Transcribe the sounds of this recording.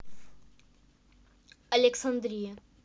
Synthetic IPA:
ɐleksɐnd̪ɾijɐ

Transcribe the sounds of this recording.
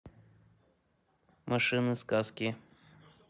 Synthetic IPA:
mɐʂɨnɨskaskʲɪ

